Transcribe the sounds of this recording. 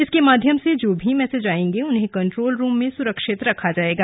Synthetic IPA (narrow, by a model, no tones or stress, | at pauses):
ɪskemaːd̪ʱjəmsed͡ʒoːbʱimɛːsed͡ʒaːẽːŋɡeʊnɦẽkɐ̃ɳʈɾoːlɾũːmːẽsʊɾəkʃɪt̪ɾɐkʰad͡ʒaːeːɡaː